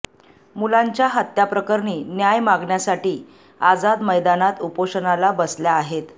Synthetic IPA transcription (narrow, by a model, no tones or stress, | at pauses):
mulaɲt͡ɕjaɦət̪ːjapɾəkəɾɳiːnjajmaɡɳjasaʈiː | ad͡zad̪məjd̪anat̪upoʂənalabəsljaːɦet̪